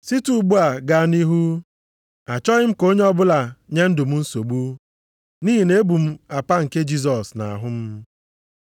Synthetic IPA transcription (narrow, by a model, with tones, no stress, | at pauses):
si˦tu˦˨ɡ͡bu˦a˨ɡa˨ni˦ɦu˦ | a˨t͡ʃɔ˦ɣɪ˦m̩˦ko˦ɲe˦ɔ˦bʊ˦la˨ɲe˦n̩˦dʊ˨m̩˦n̩˦so˨ɡ͡bu˦ | niː˦ɦi˨ne˦bu˨m̩˦a˨pa˦ŋ̩˨ke˦d͡ʒi˦s̬ɔ˨sna̰˨a̰˨ɦʊ˦m̩˦